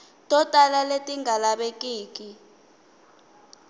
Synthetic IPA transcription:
tʼɔtʼalaletʼiŋɡʱalaɓekʼiːk̬ʼi

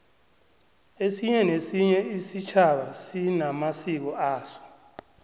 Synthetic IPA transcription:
esiɲɛnesiɲɛisit͡ʃʰaɓasinamasik̬ɔʔaːsɔ̥

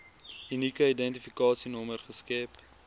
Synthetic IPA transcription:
ynikəidɛntifikɑːsinɔmərχəskɛp

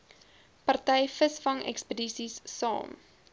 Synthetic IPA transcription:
pɐrtɛjfəsfɐŋɛ̰kspədisisːɑ̰ːm

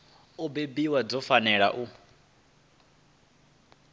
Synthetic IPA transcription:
ɔbebiwad͡zɔfanɛɺa̰ʔu

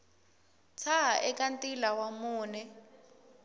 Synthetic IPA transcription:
t͡sʰaɦaʔɛkantʼilawamuːnɛ

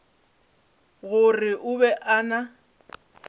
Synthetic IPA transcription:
ɣʊrɪʔʊbɛʔana

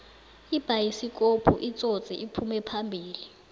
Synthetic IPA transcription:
ib̥ʱajisikʼopʰuʔit͡sʼot͡sʼiʔipʰumɛpʰambʱiːli

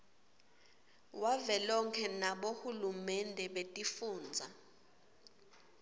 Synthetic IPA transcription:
wavɛlɔŋkʰɛnaɓohulumɛndʱɛɓetʼifuːnd͡zʱa

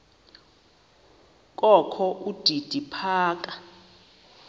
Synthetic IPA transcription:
kʼɔkʰɔʔud̥ʱid̥ʱipʰaːk̬ʼa

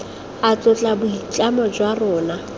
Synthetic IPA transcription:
at͡sʼʊt͡ɬʼabʊit͡ɬʼamɔd͡ʒwarɔːna

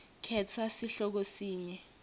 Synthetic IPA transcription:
kʰɛtʰasiɬɔk̬osiːɲɛ

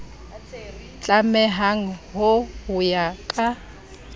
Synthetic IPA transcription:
t͡ɬʼamɛɦaŋ̩ɦʊʊjakʼa

